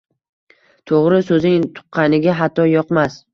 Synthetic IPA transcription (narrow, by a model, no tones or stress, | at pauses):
t̪ʰoʁɾɪsɵzɪŋt̪ʰʊ̥qʰːɑnɪɡʲaɦat̪ʰːɒjɒqmas